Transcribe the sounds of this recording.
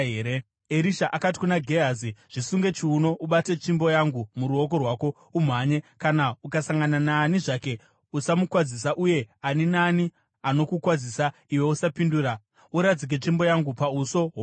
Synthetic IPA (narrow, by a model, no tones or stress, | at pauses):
eɾe | eɾiʃaʔakat̬i̥kunaɡʱeaziʐ̥isuŋɡe̞t͡ʃiuno̞ʔuɓate̞t͡ʃimbo̞jaŋɡumuɾuo̞k̬o̞rwaːko̞ | um̤aɲe̞kanaukasaŋɡananaːniʐake̞ | usamukwad͡zis̬aʔuje̞aninani | ano̞kukwad͡zisa | iwe̞usapinduːɾa | uɾad͡zik̬et͡ʂimbo̞jaŋɡupauso̞ɦo